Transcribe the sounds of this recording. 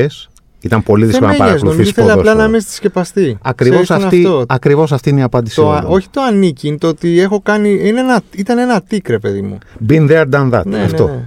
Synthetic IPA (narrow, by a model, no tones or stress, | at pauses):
es | it̪ɐmpo̞liðissnɐpɐɾɐzuluoθisθeolɐlɐnɐmest̪i̥sce̞pɐst̪iɐkɾivosɐɐiooɐkɾivo̞s̬ɐft̪iineiɐpɐnd̪isooçi̥t̪o̞ɐniciint̪oot̪iexo̞kɐnienenɐit̪ɐne̞nɐt̪ikɾe̞pe̞ðimṵbinðeɐɾd̪ɐnðɐ̰t̪nɐ̰ft̪o